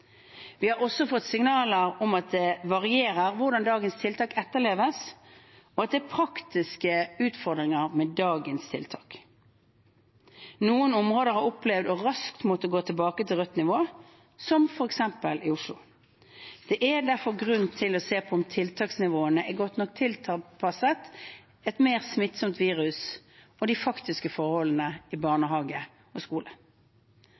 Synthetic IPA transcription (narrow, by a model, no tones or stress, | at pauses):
ʋɪhɑɾɔsɔfɔt̪ːsɪŋnɑːləɾɔmɑt̪̚d̪ɛʋɑʁɪeːɾəɾʋʊʁd̪ɑnd̪ɑːɡənst̪ʰɪlt̪ʰɑːkɛt̪ːəʁɭeːʋəs | ɔɑt̪̚d̪ɛæpʰɾɑkt̪ɪskəʉːt̪fɔʁd̪ʁɪŋəʁmɛd̪ɑːɡənst̪ʰɪ̰lt̪ʰɑːk | nuːənɔmʁoːd̪əɾhɑɾʊplɛʋd̪ɔɾɑskt̪mɔt̪ːəɡoːt̪ʰəlbɑːkət̪ʰɪlʁœt̪ːnɪʋoː | sɔmfɔɾɛksɛmpəlɪʊʂlʊ | d̪̥ɛʔæd̪æʁfɔɾɡʁʉnt̪ʰɪlɔseːpʰɔɔmt̪ʰɪlt̪ʰɑːksnɪʋoːənəʔɛɡɔt̪nɔk̚t̪ʰɪlt̪ʰɑpʰɑsət̪ | ɛt̪meːʁsmɪt̪sɔmt̪ʋiːʁʉs | ɔd̪ɪfɑkt̪ɪskəfɔɾhɔlːənəɪbɑʁnəɦɑːɡə | ɔskuːlə